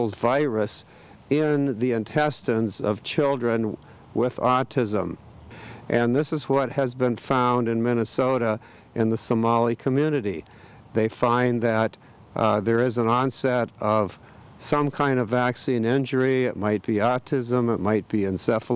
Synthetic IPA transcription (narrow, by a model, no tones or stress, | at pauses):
l̩ˠzvaɪɹɨs | ɪ̃nðiɨ̃ntʰɛstɨ̃nzʌ̰v̥t͡ʃʰɪlˠdɹɨ̃n | wɪðɑtʰɪzə̃m | ʔɨ̃nðɪsɨzwʌt̚hɨzbɨ̃nfãʊ̃ndɨ̃nmɪnɨsoʊɾə | ʔɨ̃nðəsəmɑlˠikʰəmjʉnɨɾi | ðeɪfãɪ̃nðɨt̪̚ | ðə˞ɪzə̃nɑ̃nsɛɾʌv̥ | sʌ̃mkʰãɪ̃ndʌvæksĩnɪ̃nd͡ʒə˞iɪt̚maɪt̚b̥iɑtʰɪzə̃mət̚maɪt̚b̥iɨ̃nsɛf